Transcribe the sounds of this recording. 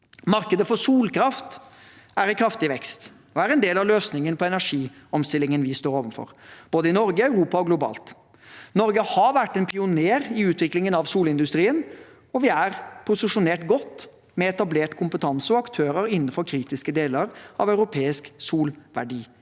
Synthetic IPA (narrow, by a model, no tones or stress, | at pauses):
mɑɾkəd̪əfɔʂuːlkʰɾɑft̪ | æɾɛkʰɾɑft̪ɪʋɛkst̪ | ɔæɾɛnd̪eːlɑʋløːsnɪŋənpʰɔɛnæʂiː | ɔmst̪ɪlːɪŋənʋɪst̪oːɾoːʋənfɔ̰ɾb̥oːd̪əɪnɔɾɡəɑʉɾuːpɑɔɡlʊbɑ̰ːlt̪ | nɔɾɡəhɑʋæʈːɛnpʰɪʊneːɾɪʉːt̪ʰʋɪklɪŋənɑʋsuːlɪnd̪ʉst̪ɾiːən | ɔʋɪæɾpʰʊsɪʂʊneːʈɡɔt̪ː | mɛɛt̪ɑbleːʈkʰʊmpət̪ʰɑnsɔɑkt̪ʰøːɾəɾɪnːən̩fɔɾkʰɾiːt̪ɪskəd̪eːləɾʔɑ̰ʋœʉɾʊpʰeːɪsksuːlʋæ̰ɖiː